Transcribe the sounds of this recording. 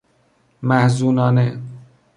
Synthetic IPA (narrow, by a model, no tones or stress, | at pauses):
mæhzuːnɒːne